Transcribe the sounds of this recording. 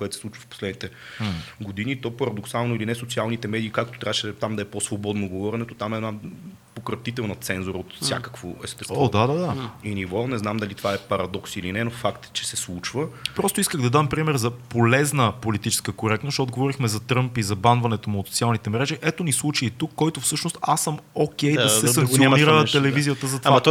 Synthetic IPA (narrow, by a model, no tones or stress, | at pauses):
koɛt̪osɛsˠut͡ʃvə̥fpo̥slɛd̪nit̪ɛɡod̪init̪ɔpɐɾɐd̪oksalˠnoilinɛsot̪sʲialˠnit̪ɛmɛd̪iːkak̚t̪ot̪ɾʲavəʃɛt̪amd̪ɐɛposvobɔd̪noɡovɔɾʲɛnɛt̪ot̪amɛna | pokɾɐt̪it̪ɛlˠnɐt̪sɛnzoɾəot̪fsja̰kə̥kvo̰ɛst̪ɛst̪vɔd̪ad̪ad̪ainivɔnɛznamd̪ɐlit̪vaɛpɐɾɐd̪ɔksilinɛnofakt̪t͡ʃɛsɛslˠut͡ʃvəpɾɔst̪ʊiskəɣd̪ɐd̪ampɾimɛɾzɐpolɛznəpolit̪it͡ʃɛ̥skəkoɾɛk̚t̪nostod̪̚ɡovɔɾixmɛzɐt̪ɾɤmpizɐbanvɐnɛt̪omuːt̪so̥t̪sialˠnit̪ɛmɾɛʒiʔɛt̪onislˠut͡ʃiit̪ukːɔjt̪ofsɤʃnost̪asːəmokɛjd̪ɐɛɐŋkt̪ioniɾəɛlɛvvizijət̪əzɐt̪vaa